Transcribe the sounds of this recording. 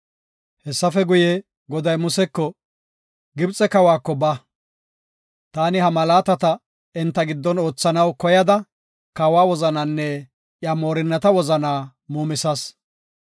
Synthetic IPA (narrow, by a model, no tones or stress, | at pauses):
hɛsːɐfɛɡʊjɛ | ɡɔd̪ɐjmʊsɛkːɔ | ɡɪbt͡sʼɛkɐwaːkːɔbɐ | t̪aːnɪhɐmɐlaːt̪ɐt̪ɐ | ɪnt̪ːɐɡɪd̪ːɔno̞ːt͡sːɐnɐwkɔjɐd̪ɐ | kɐwaːwɔzɐnɐnːɛ | jamo̞ːɾɪnːɐt̪ɐwɔzɐnaː | muːmɪsɐs